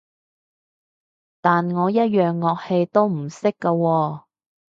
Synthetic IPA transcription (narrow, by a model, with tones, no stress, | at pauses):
t̪aː˨nŋɔː˨˧jɐ˥t̚jœː˨ŋːɔː˨k̚he˧jt̪o˥wm̩˨˩sɪ˥kːɐ˧wɔː˧